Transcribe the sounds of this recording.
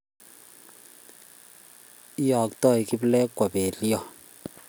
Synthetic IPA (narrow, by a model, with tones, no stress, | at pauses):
jɔ˨ktɔ˦˨jki˦blɛ˦kːwa˨pɛ˨ljɔ˦˨